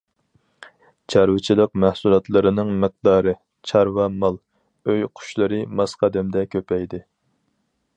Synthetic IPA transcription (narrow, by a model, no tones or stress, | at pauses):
t͡ʃʰɑɾwɪt͡ʃʰilˠəq̚mæhsulˠɑt̪lˠɨɾɨnɨŋmɨq̚d̪ɑːɾɨ | t͡ʃʰɑɾwɑmɑlˠ | øjqʰʊ̥ʃlˠɨɾɨmɑsqʰɑd̪ɛmd̪ɛkʲʰøpʰɛjd̪ɪ